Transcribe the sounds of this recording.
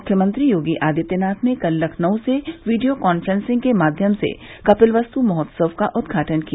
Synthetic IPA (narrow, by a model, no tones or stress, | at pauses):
ʊkʰjəmə̃nt̪ɾijoːɡiʔaːd̪it̪jənaːt̪ʰmẽkɐlːɐkʰnɐwseʋiːɖijokɔːnfɾə̃nsɪ̃ŋɡkemaːd̪ʱjəmsḛkɐpɪlʋɐst̪umɔɦɔt̪səʋkaʔʊd̪ɡʱaːʈənki